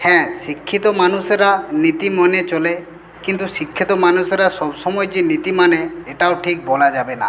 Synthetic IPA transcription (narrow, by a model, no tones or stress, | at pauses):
hɛ̃sikʰːit̪ɔmanuseɾanit̪imɔnet͡ʃɔle | kint̪usikʰːit̪ɔmanuseɾasɔbsɔmɔjed͡ʒinit̪imaneeʈaoʈʰik̚bɔlad͡ʒabena̰